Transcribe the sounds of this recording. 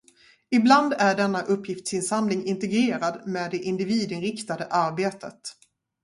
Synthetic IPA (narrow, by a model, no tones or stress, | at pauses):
ɪbland̪æɖɛnːaʔɵpʰːjɪft̪sɪnsand̪lɪŋɪnt̪ɛɡɾeːɾad̪meːd̪ːɛʔɪnd̪ɪviːd̪ɪnɾɪkt̪ad̪əʔaɾbeːt̪ʰət̪